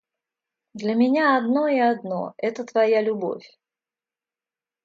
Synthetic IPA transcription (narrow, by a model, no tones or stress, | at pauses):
d̪lʲɐmʲɪnʲaɐd̪no̞ɪɐd̪no̞̰ɛt̪ət̪vɐjalʲʊbo̞̰fʲ